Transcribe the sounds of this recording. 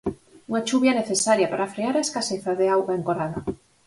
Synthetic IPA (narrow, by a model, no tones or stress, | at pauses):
uŋat͡ʃuβjaneθesaɾjapaɾafɾeaɾaeskaseθaðeawɣaeŋkoɾaða